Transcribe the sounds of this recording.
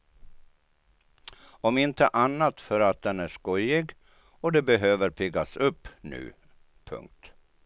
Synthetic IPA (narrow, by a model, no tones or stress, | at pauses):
ɔmɪnt̪ə̰ʔanːat̪fœɾat̪̚d̪ɛnæʂkɔjɪɡ | ɔd̪ɛbɛɦøːvəɾpʰɪɡːasɵpːnʉ̟̰ː | pʰɵ̰ŋk̚t̪